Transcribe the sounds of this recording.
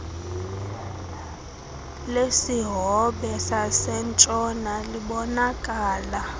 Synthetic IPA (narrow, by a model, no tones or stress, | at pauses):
lesiɦɔɓɛsasɛnt͡ʃʼɔnaliɓɔnakʼaːla